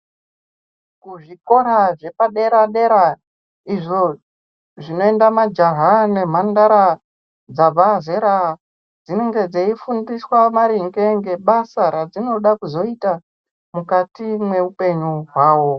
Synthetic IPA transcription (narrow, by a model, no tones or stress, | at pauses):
kuʐiko̞ɾaʐe̞paɗe̞ɾaɗe̞ɾa | iʐo | ʐino̞e̞ndamad͡ʒaɦane̞m̤andaɾa | d͡zabazeɾa | d͡zine̞ŋɡe̞d͡zeifundiswamaɾiŋɡe̞ŋɡe̞ɓasaɾad͡zino̞ɗakuzo̞ita | mukatimwe̞upe̞ɲuɦwaːwo̞